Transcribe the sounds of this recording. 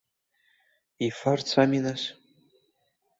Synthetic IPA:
ifart͡sʰaminaʃ

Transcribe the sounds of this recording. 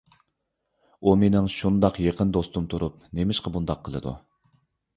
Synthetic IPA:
umenɪŋʃund̪ɑqjeqʰənd̪ost̪umt̪ʰuɾup̚nemɪʃqɑbund̪ɑqʰːəlˠɨ̰d̪ṵ

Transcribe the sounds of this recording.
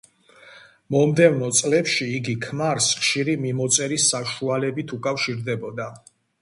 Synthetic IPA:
mɔmd̪ɛvnɔt̪sʼlɛpʃiːɡikʰmaɾsχʃiɾimimɔt̪sʼɛɾisːaʃualɛbit̪ʰukʼafʃiɾd̪ɛbɔd̪a

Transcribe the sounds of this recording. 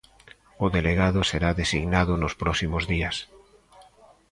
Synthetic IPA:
oðeleɣaðoseɾaðesiɣnaðonospɾɔsimozðias

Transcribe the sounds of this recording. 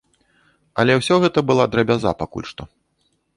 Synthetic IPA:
ɐlʲɛwsʲɔɣɛt̪ɐbɨlˠad̪ɾɐbʲaza̰pakṵlʲʂt̪ɔ

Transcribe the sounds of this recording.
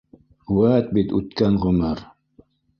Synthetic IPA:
uwæt̪̚bit̪ʉt̪kænʁɵ̆mɘɾ

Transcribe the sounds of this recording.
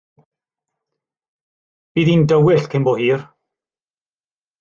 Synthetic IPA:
b̥iːðindəwɪɬkʰembɔhiːr

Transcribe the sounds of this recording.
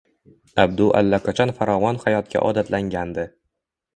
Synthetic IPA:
abd̪ʊʔa̰lːakʰat͡ʃʰɒnfaɾɒvɒnhajɒt̪̚kʲʰa̰ʔɒ̰d̪at̪laŋɡʲand̪ɪ

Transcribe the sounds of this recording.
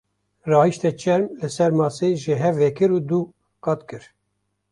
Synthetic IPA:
rɑːhiʃt̪ɛt͡ʃʰɛɾmlɨsɛɾmɑːseʒɪɦɛvɛkɨɾuːd̪u | kɑt̪kɨɾ

